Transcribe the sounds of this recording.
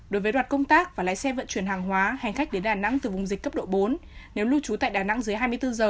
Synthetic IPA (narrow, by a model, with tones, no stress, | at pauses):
ɗo˨˦jvəː˨˦jɗwaː˨˩kə˧wŋ͡mt̪aː˦˥k̚vaː˨˩la̰ː˧˥˦jsɛ˧və̰˧˨nt͡ɕwi˧˩ənɦaː˨˩ŋɦwaː˨˦ha˨˩ŋ̟xa˦˥k̟̚ɗe˨˦nɗaː˨˩na̰˧˥ŋt̪ɨ˨˩vʊ˨˩ŋ͡mzi̟˨˩kə˦˥p̚ɗo̰˧˨ɓo˨˦nne˨˦wlu˧t͡ɕu˨˦t̪a̰ː˧˨jɗaː˨˩na̰˧˥ŋzɨ˨˦əjɦaː˧jmɨ˧əjt̪ɨ˧zəː˨˩